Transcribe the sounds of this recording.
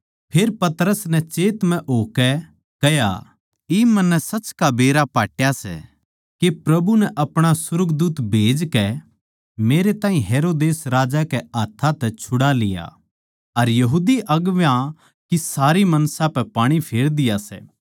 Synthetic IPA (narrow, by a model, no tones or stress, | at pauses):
pʰeːɾpɐt̪ɾəsnɛt͡ʃeːt̪mɛ̃ʔoːkɛ | kɐja̰ | imɐnːɛsɐt͡ʃkabeːɾapaːʈjasɛ̰ | kepɾɐbunɛʔɐpɽ̃asʊɾɡd̪uːt̪bʱeːd͡ʒkɛ | meːɾet̪ãːĩɦeːɾoːd̪eːsɾaːd͡ʒakɛɐt̪ʰːat̪ɛt͡ʃʰʊɽalɪ̰ja̰ | ɐɾjɐɦuːd̪iʔɐɡʋjã | kisaːɾimɐnsãpɛpaːɽ̃ipʰeːɾd̪ɪjasɛ̰ː